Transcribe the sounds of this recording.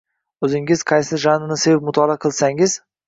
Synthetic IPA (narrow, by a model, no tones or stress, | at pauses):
ɵzɪŋɪz̥qʰɑjsɪʒanɪnɪsevɪp̚mʊt̪ʰɒlˠaqʰɨlˠsaŋɪz